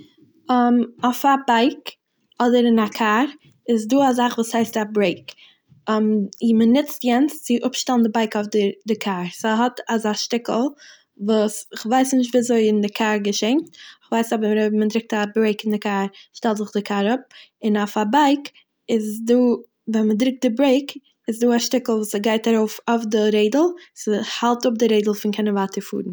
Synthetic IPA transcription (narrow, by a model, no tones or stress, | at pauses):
mɔfabaɪk | ɔdəɾɪnakʰaɾ | ɪzduːazaχvuːshaɪstabɾeɪkː | mɪmənɪt͡stjɛnst͡sɪʔʊpʃtɛlˠndɪbaɪkaʊfdɪdɪkʰaɾsaɦɔtazaʃtɪkl̩ˠ | vuːsɪχvaɪsnɪʃtviːazoɪɪndɪkʰaɾɡəʃeɪntɪχvaɪsɔbmədɾɪk̚tabɾeɪkɪndɪkaːɾʃtɛlˠtzɪχdɪkʰaːɾʊp̚ɪnafabaɪk | ɪzduː | vɛnmədɾɪk̚t̚dɪbɾeɪk | ɪzduːaʃtɪkl̩ˠvuːsaɡaɪtaɾoʊfaʊfdɪɾeɪdl̩ˠsəhalˠtʊp̚dɪɾeɪdl̩ˠfɪnkʰɪnəvaːtəɾfṵːɾn̩